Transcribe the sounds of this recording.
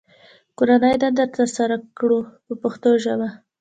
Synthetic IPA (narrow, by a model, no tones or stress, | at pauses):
koɾanəjd̪and̪aɾt̪əɾsaɾakɽupəpəxt̪oʒaba